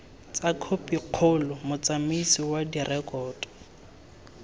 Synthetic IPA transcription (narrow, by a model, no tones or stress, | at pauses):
t͡sakʰopiq͡χʰʊlʊmʊt͡samisiwadirʔɛkʼɔːtʼɔ̥